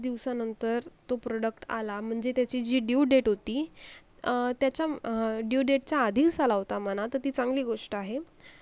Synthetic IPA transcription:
d̪iʋsanənt̪əɾt̪opɾoɽəkʈa̰lam̤əɳd͡zet̪jat͡ɕiːd͡ʑiːɖiuɖeʈɦot̪iː | t̪jat͡ɕjaɖiuɖeʈ̚t͡ɕjaːd̪ʱiksalaʋot̪amanat̪əɾt̪iːt͡sãŋɡliːɡoʂʈəaɦe

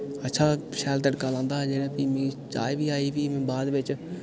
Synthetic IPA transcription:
ətːʃʰaːʃɛːlt̪əɖkaːlãːnd̪aːɦd͡ʒeɽẽp̪iːmĩt͡ʃaːjbʱiːaːiːʋiːmẽːbaːd̪ʋɪt͡ʃ

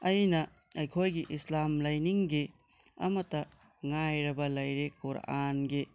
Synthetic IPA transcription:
ɐjnɐ | ɐjkʰojɡiʔislamlɐjniŋɡi | ɐ̰mɐtɐ | ŋajɾɐbɐlɐjɾekʰoɾa̰ʔanɡi

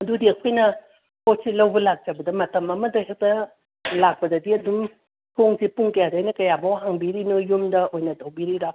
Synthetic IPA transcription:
ɐdudiɐkʰojnɐ | pʰot̚silɐwbɐlak̚d͡ʒɐbɐdɐmɐtɐmɐmɐdɐɦek̚tɐ | lak̚pɐdɐdiɐdum | tʰoŋsipuŋkɐjadajnɐkɐjabɐwɦaŋbiɾinojumdɐʔojnɐtowbiɾiɾa

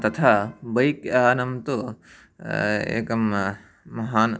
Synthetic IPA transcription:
t̪ɐt̪ʰabɐjkaːnɐmt̪o | ḛːkɐm | mɐɦaːn

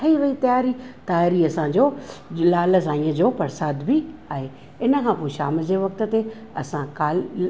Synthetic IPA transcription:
t̪ʰɐiʋɐit̪ɐjaːɾit̪aːɪɾiɐsãd͡ʑoːlaːlə̆zãːĩəd͡ʑoːpɐɾsaːd̪biaːɦe | ɪnəkʰãːpoːeʃaːməd͡ʑeʋɐk̚t̪ə̆t̪e | ɐ̰sãkaːl

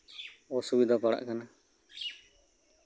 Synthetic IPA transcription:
ɔsubid̪ʱapaɽa̰ʔkana

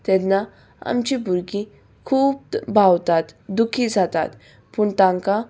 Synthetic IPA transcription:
t̪ɛnːa | a̰mt͡ɕibʱuɾɡi | kʰuːb̚bʱawt̪at̪d̪ukʰid͡zʱat̪a̰t̪ | pəɳt̪ãŋka

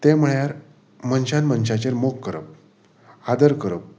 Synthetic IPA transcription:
t̪em̤əɭjaɾ | mənɕanmənɕat͡ɕeɾmokːəɾə̰p̚ | ad̪əɾkəɾəp̚

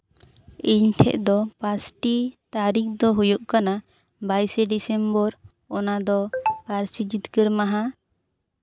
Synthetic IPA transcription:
iɲʈʰɛ̰ʔd̪ɔpasʈit̪aɾik̚d̪ɔɦujuʔkana | bajsɛɖisɛmbɔɾ | ɔnad̪ɔpaɾsid͡ʒit̪kəɾmaɦa

